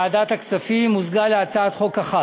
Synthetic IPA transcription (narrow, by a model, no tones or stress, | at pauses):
ad̪at̪aksafimuzɡaleat͡saat̪χo̞kaχa